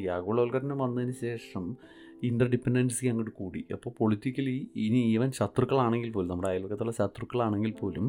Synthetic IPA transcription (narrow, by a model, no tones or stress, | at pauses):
jaːɣuːɭɐːlkɐɾɐnumʋɐnːɐðinɨɕe̞ːʂɐm | ind̪rɐɖipːeɳɖenɖɨsɨkːaŋɡɐɽɨkuːɽiɐ̰pːo̞ːɭpo̞ɭitːikʲːɐliiniʋɐnɕɐt̪rukːɐɭaːɳe̞ŋɡilpo̞ːlunɐmːɐɽeaːjaːlokːɐt̪ːuɭːɐɕɐt̪ːrukːɐɭaːɳe̞ŋɡilpo̞ːlum